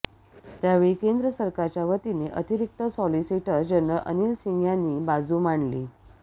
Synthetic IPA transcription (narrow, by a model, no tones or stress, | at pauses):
t̪jaʋeɭikend̪ɾəsəɾkaɾt͡ɕjaʋət̪ineʔət̪iɾik̚t̪əsɔlisiʈəɾd͡ʑənɾəɭʔə̰nilsiŋɡʱjanːiːbad͡zuːmaɳli